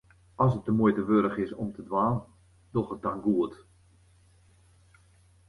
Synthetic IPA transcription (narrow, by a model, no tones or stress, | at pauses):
ɔsət̚dəmujtəʋøɾəχɪsɔmtʰədʋaːn | d̥ɔxət̚danɡuət